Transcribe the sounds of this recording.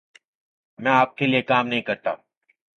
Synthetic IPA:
mɛ̃aːp̚keliekaːmnɐɦĩkɐɾt̪a̰ː

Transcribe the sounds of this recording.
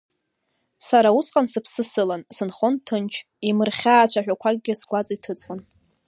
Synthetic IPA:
saɾausqʼansɨpʰsɨsɨlansɨnχontʰɨnt͡ʃʰ | imɨrχʲaːt͡ɕʷʰaħᶣʷakʷʰaɡ̚ʲɡʲɪsɡʷat͡sʼitʰɨt͡sʼwan

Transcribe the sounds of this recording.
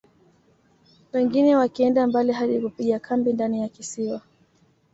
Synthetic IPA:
wɛŋɡinɛwakiɛndambaliɦaɗikupiɠakʰambindanijakisiwa

